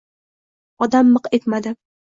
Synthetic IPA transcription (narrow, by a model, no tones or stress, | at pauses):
ɒd̪amːɨqe̞t̪mad̪ɪ